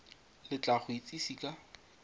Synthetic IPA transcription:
lɪt͡ɬaχʊit͡sʼisiːkʼa

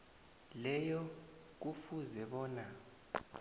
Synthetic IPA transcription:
lɛjɔ | k̬ufuzɛɓɔːna

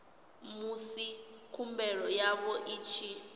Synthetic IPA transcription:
musikʰumbɛɺɔjaβɔʔiːt͡ʃʰi

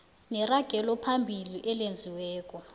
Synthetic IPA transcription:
nɛraɡ̥ʱɛlɔpʰambʱiliʔɛlend͡zʱiwɛːkʼɔ

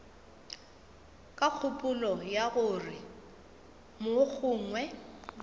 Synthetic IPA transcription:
kʼak͡xʰʊpʼʊlɔjaɣʊrɪ | mʊk͡xʰʊːŋwɛ

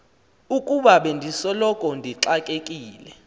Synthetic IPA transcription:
ukʼuɓaɓendʱisɔlɔkʼɔndʱiǁakʼekʼiːlɛ

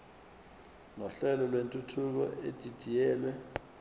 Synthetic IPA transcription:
nɔɬɛlɔlwentʼutʰuk̬ɔ̰ʔed̥ʱid̥ʱijɛːlwɛ

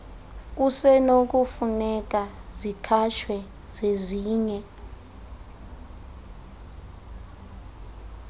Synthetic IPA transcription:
k̬usɛnok̬ufunɛk̬ʼazikʰaʃʰwɛ | z̥eziːɲɛ

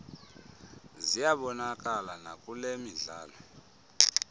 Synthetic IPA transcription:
zijaɓɔnakʼalanakʼulemiɮaːlɔ

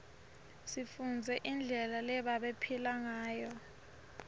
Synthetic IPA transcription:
sifund͡zʱɛʔind͡ɮʱɛlalɛɓaɓepʰilaŋaːjɔ

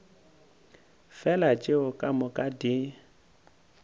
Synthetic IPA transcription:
fɛlat͡ʃʼɪʊkʼamʊkʼadɪ

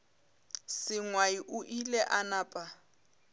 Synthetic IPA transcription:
sɪŋwaiʔʊʔilɛʔanaːpʼa

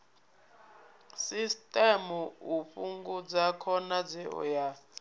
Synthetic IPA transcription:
sistʼɛmuuɸuŋɡud͡zakʰɔnad͡zɛɔ̰ja

